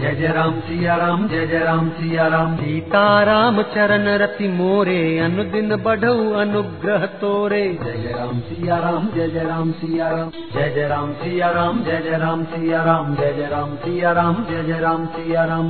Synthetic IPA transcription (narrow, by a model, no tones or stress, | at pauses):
d͡ʒɐd͡ʒeɾaːmsijaɾaːmd͡ʒed͡ʒeɾaːmsijaɾaːmd͡ʒiːt̪aːɾaːmɐt͡ʃɐɾɐnɐɾɐt̪imoːɾeːɐnud̪inɐbɐɖʱɐʋɐnuɡɾɐɦɐt̪oːɾeːd͡ʒɛd͡ʒɾaːmsijaɾaːmd͡ʒed͡ʒeɾaːmsijaɾaː | d͡ʒed͡ʒɐɾaːmsijaɾaːmd͡ʒɛd͡ʒeɾaːmsijaɾaːmd͡ʒed͡ʒeɾaːmsijaɾaːmd͡ʒed͡ʒeɾaːmsijaɾaːm